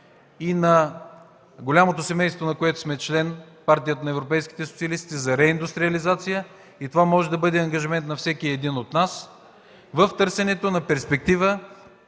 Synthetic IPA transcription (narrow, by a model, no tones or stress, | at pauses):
inɐ | ɡolʲamot̪osɛmɛjst̪vonɐkoɛt̪ʊ̥smɛt͡ʃlɛn | paɾt̪ijət̪ənɐɛvɾopɛjski̥t̪ɛso̥t̪siɐlist̪izɐɾɛind̪ust̪ɾiɐlizat̪sijə | it̪ovamɔʒɛd̪ɐbɤd̪ɛɐŋɡɐʒimɛnt̪nɐfsɛkiɛd̪inot̪nas | vəft̪ɤɾsɛnɛt̪onɐpɛɾspɛk̚t̪ivə